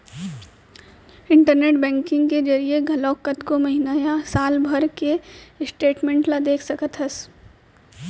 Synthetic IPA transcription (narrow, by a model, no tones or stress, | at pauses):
ɪ̃ɳʈəɾneːʈbɛ̃ːŋkɪ̃ŋɡked͡ʒɐɾieɡʱɐlɔːkːət̪komɐɦinajasaːlbʱəɾkesʈeːʈmẽːɳʈlad̪eːkʰsɐkət̪ɦɐs